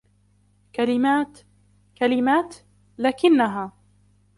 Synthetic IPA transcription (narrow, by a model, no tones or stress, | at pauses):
kalɪmaːt̪ | kalɪmaːt̪ | laːkɪnːaɦaː